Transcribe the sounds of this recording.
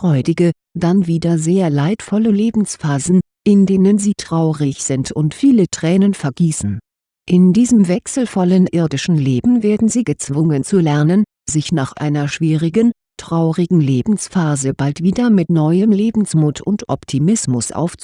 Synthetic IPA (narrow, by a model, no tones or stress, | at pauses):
fʁ̥ɔʏdɪɡə | d̥anviːdɐzeːɐlaɪtfɔləleːbm̩sfaːzn̩ | ʔɪndeːnənziːtʁ̥aʊʁɪçz̥ɪntʰʊntfiːlətʁ̥ɛːnənfɛɐɡiːsn̩ | ʔɪndiːzəmvɛksl̩fɔlənʔɪɐdɪʃn̩leːbm̩veːɐdn̩ziːɡət͡sv̥ʊŋənt͡sulɛɐnən | zɪçnaːχʔa̰ɪnɐʃv̥iːʁɪɡən | tʁ̥aʊʁɪɡŋ̩leːbm̩sfaːzəbaltv̥iːdɐmɪtnɔʏəmleːbm̩smuːtʰʊntʔɔ̰ptʰimɪsmʊsʔa̰ʊft͡su̥